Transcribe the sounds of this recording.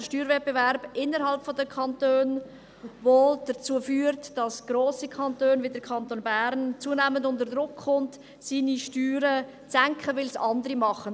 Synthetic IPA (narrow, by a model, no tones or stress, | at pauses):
əʃtyːɾvɛt̚bevɛɾb̥ʔɪnːəɾɦɑlpfodəkʰɑntøːn | vod̥ət͡suːəfyːɾtd̥ɑsɡ̥ɾoːsikʰɑntøːnvidəɾkʰɑntoːnbæɾnt͡suːənɛːməndʊntəɾdɾʊkχʊnt | siːniʃtyːɾə | t͡sæŋkχəvɪlsɑndəɾimɑχən